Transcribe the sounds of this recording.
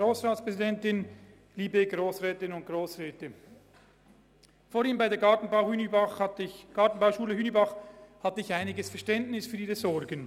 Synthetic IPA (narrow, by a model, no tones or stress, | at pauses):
ʁoːsʁaːtspʁ̥ɛzidɛntɪn | liːbeɡʁoːsʁɛːtɪnʊnt̚ɡ̥ʁoːsʁɛːtə | foːiːmbaɪdeːɐɡɑtn̩baʊhyːnbɑχtçɡ̥ɑɐtn̩baʊʃuːləhyːnibɑχhatəɪçaɪnɪɡəsfɛɐʃtɛntnɪsfyːɐiːʁəzɔʁɡən